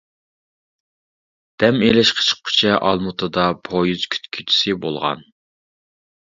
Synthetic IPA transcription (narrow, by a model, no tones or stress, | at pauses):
d̪̥ɛmelɪʃqʰə̥t͡ʃʰə̥qʰːʊ̥t͡ʃʰɛʔɑ̰lˠmut̪ʰɨd̪ɑpʰojyz̥kʲʰy̥t̪kʲʰyt̪ʰy̥sɪbolˠʁɑ̰n